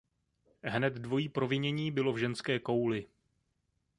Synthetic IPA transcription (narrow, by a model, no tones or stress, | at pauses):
ɦnɛt̪dvo̞jiːpɾo̞vɪɲɛɲiːbɪlo̞vʒɛnskɛːko̞wlɪ